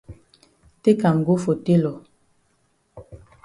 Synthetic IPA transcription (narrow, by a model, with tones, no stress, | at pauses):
te˦ka˨ŋ˨ɡo˦fo˨te˦lɔ˨